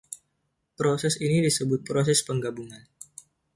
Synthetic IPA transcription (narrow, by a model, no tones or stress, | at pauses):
pɾosɛsinidisəbʊt̪̚pɾos̬ɛspəŋɡabuŋan